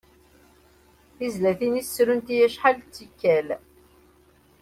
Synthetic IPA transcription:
θizlæθinisːɾunt̪ijæʃħalt͡sːikːæl

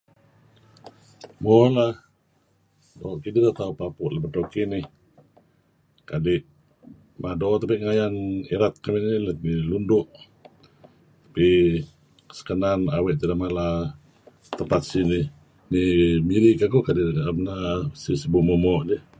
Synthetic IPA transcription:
mɔla | dɔʔkidilaht̪aupapʊʔlabət̪okinɪ | kadɪʔ | madɔt̪apiʔŋajaniɾat̪̚kaminilanilundʊʔ | t̪ḁpi | sə̥kənanawɛʔt̪idamala | t̪əpat̪̚sini | nimiɾiʔkakukadɪʔmənasisəbumɔmɔʔdi

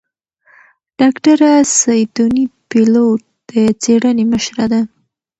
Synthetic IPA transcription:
ɖ̥ɑkʈaɾasajd̪unipilot̪̚d̪̥ət͡seɽəneməʃɾad̪a

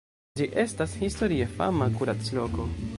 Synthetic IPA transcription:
d͡ʒiʔe̞stashisto̞ɾiefa̰makuɾat͡slo̞ko̞

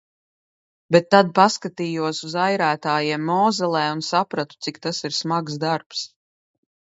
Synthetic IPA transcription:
bɛt̪ːad̪̚paskat̪iːjuɔsuzajɾæːt̪aːjiɛmːɔːzɛlˠɛːunsapɾat̪u̥t̪sikt̪asiɾsmaɡzd̪aɾps

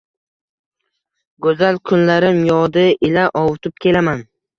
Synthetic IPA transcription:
ɡɵzalkʰʊnlaɾɪmjɒd̪ɪʔɪlaʔɒwʊt̪ʰɪp̚kʲʰe̞laman

